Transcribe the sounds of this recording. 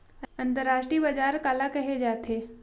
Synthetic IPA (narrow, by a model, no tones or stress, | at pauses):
əɐ̃nt̪əɾaːʃʈɾiːbɐd͡ʒaːɾkaːlakɐɦed͡ʒaːt̪ʰeː